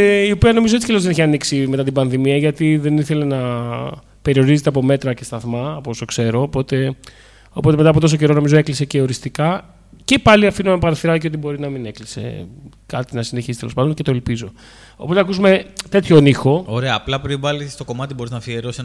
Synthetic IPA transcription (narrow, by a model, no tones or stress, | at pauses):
io̞piɐno̞mizoet͡si̥celozðeeçiɐniksime̞t̪ɐt̪ibɐnðimiɐʝɐt̪iðe̞niθe̞le̞nɐ | pe̞ɾio̞ɾizet̪eɐpome̞t̪ɾɐce̞st̪ɐθmɐposokse̞ɾo̞ːpo̞t̪e̞ | o̞po̞t̪eme̞t̪ɐaːpot̪o̞so̞ce̞ɾo̞no̞mizoe̞klise̞ce̞o̞ɾist̪ikɐ | ce̞pɐliɐfinomɐpɐɾɐθiɾɐiceo̞t̪̬ibo̞ɾinɐmine̞klise̞̰ | kɐt̪inɐsine̞çist̪eospɐnd̪once̞t̪o̞elpizo̞ | opot̪eɐkusume̞t̪e̞t̪ço̞nixo̞oɾeɐːplɐpɾivɐlist̪o̞ko̞mɐt̪ibo̞ɾiznɐfieɾose